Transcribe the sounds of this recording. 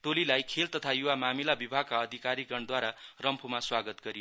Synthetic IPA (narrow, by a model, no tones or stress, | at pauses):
ʈolilajkʰelt̪ʌt̪ʰajuwamamilabibʱaɡ̚kaʌd̪ʱikaɾiɡʌɳd̪waɾarʌmpʰumaswaɡʌt̪ɡʌɾi